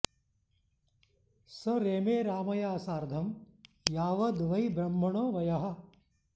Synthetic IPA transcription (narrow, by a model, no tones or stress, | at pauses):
sɐɾeːmeːɾaːmɐjaːsaːɾd̪ʱɐm | jaːʋɐd̪ʋɐjbɾɐmːɐɳoːʋɐjɐɦɐ̆